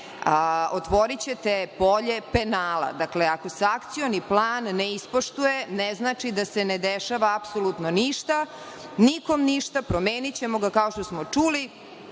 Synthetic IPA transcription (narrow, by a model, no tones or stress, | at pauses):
ot̪ʋo̞ɾit͡ɕe̞t̪epo̞ʎe̞penaːla̰d̪akle̞ako̞seakt̪sioniplˠaːnːeispoʃt̪ujeneznaːt͡ʃid̪ase̞ned̪eʃaʋaːpsolut̪no̞niʃt̪a | niko̞mniʃt̪apɾomeːnit͡ɕe̞mo̞ɡakao̞ʃt̪o̞smo̞t͡ʂuːli